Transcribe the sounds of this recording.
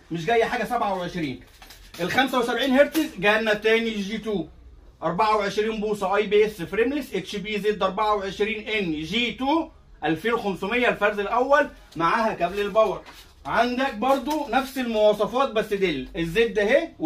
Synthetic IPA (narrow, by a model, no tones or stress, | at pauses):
meʃ̬ɡæjːæħaːɡæsæbʕawʕeʃɾiːn | ʔelxæmsæwsæbʕiːnheɾt̪ezɡænːæt̪æːniʒiːt̪uː | ʔɑɾˤbaʕaweʕeʃɾiːnbuːsˤɑʔɑjbeʔesefɾemlesʔet̪ʃibiːzeːd̪ːʔɑɾˤbaʕaweʕeʃɾiːnʔenːʒiːt̪uː | ʔælfeːnwxæmsomejːælfæɾzelʔæwːæl | maʕaːhækæblelbɑwɑɾˤ | ʕand̪æk̚bɑɾˤd̪ˤonæfselmowɑːsˤɑfɑːt̪̚bæsːed̪elːezːeːt̪ːæhe